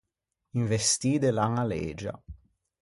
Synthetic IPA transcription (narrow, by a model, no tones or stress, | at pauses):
iɱvest̪iːd̪elaŋalḛːd͡ʒa̰